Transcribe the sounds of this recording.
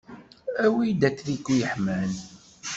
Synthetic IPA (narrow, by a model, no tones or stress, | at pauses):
æwijd̪æt͡sːɾikːujəħmæn